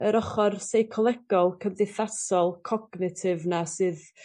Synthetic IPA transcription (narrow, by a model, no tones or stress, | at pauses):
əɾɔχɔrsejkʰɔlˠɛɡ̥ɔlˠkʰəmðɨθasɔlˠkʰɔɡnɪtʰɪvnasɨð